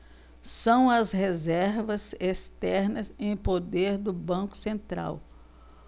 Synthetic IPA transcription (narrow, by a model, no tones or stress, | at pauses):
sɐ̃w̃ɐshezɛɾvɐzest̪ɛɾnɐzẽj̃pod̪eɾd̪ʊbɐ̃kʊ̥sẽnt̪ɾa̰w